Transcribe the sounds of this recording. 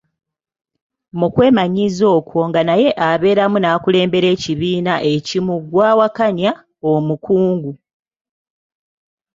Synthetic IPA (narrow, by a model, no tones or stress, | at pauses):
mukwe̞ːmaɲizo̞ːkwo̞ŋɡanaje̞ʔaβe̞ːɾamunaːkule̞ːmbe̞ɾe̞ːciβiːnaʔe̞cimuɡwaːwakaɲa | omukuːŋɡu